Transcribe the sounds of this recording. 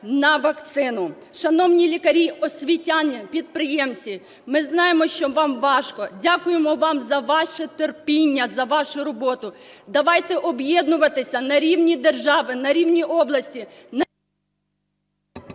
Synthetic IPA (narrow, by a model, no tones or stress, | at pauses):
nɐʋɐkt̪sɪnʊ | ʃɐnɔwnʲilʲikɐɾʲiɔsʲʋʲitʲanʲːɐpʲid̪̚pɾɪjɛmt͡sʲi | mɪznɑjemɔʃt͡ʃɔʋɑmʋɑʒkɔdʲakʊjemɔʋɑmzɐʋɑʃɛt̪erpʲinʲːɐzɐʋɑʃʊɾɔbɔt̪ʊd̪ɐʋɑjt̪ɛʔɔbjɛd̪nʊʋɐt̪ɪsʲɐnɐɾʲiwnʲid̪erʒɑʋɪnɐɾʲiwnʲiʔɔblˠɐsʲtʲin